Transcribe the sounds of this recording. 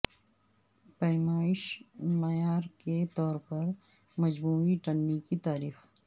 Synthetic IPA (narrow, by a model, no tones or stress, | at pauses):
pɐjmaːɪʃmɐjaːɾket̪ɔːɾpɐɾ | mɐd͡ʒmuːiʈɐnːikit̪aːɾiːx